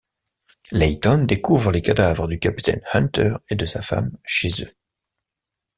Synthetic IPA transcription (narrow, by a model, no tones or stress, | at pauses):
lɛjt̪ɔnd̪ekuvʁəlekad̪avʁəd̪ykʲapi̥t̪ɛ̰nhãnt̪œʁed̪əsafa̰mʃezø